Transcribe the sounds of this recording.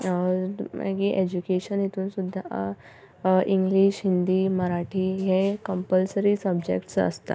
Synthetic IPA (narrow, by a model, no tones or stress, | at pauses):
ḛɡiʔed͡ʑukeɕənit̪ʰuːnsud̪ʱːa | iŋɡliɕɦind̪iːməɾaʈʰiɦekəmpəlsəɾisəbd͡ʑḛkʈsə̰st̪a̰